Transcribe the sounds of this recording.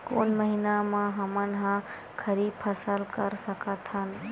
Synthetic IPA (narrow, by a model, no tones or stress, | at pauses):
koːnməɦinamãɦəmənɦã | kʰəɾiːbpʰəsəlkəɾsəkət̪ʰən